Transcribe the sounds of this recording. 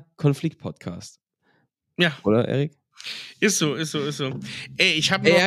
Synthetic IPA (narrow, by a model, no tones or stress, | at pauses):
kʰɔnflɪk̚t̚pʰɔtkʰa̰ːst | jaːʔoːdɐʔɛ̰ːʁɪk | ʔɪstz̥oːʔɪstz̥oːɪstzoːʔɛɪçhaːbən